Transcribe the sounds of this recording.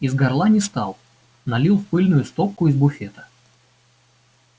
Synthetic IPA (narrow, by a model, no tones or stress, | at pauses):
ɪzɡɐrlˠanʲɪst̪ɑ̰lˠ | nɐlʲilˠfpɨlʲnʊjʊst̪op̚kʊɪzbʊfʲet̪ə̥